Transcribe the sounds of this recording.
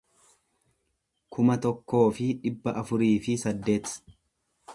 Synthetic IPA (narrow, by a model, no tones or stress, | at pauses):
kʰʊmɐt̪ɔkːo̞ːfɪᶑɪbːɐʔɐfʊɾiːfɪsɐd̪ːe̞ːt̪